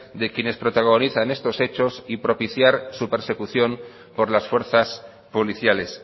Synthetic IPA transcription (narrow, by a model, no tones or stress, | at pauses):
d̪e̞kje̞ne̞spɾo̞t̪aɣ̞o̞niθane̞st̪o̞se̞t͡ʃo̞sipɾo̞piθjaɾsupe̞ɾse̞kuθjo̞m | po̞ɾlasfwe̞ɾθas | poliθjale̞s